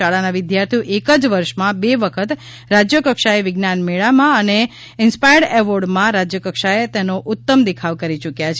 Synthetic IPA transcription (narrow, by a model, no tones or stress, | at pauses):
aɭanaʋɪd̪jaɾt̪ʰioʔekəd͡ʒʋəɾʃmãbeʋəkʰət̪ | ɾad͡ʒjəkəkʃaeʋɪɡnanmeɭamãəne | ɪnspajəɖɛʋoɾɖmãɾad͡ʒjəkəkʃaet̪enoʔʊt̪ːəmd̪ikʰaʋkəɾit͡ʃukjat͡ʃʰ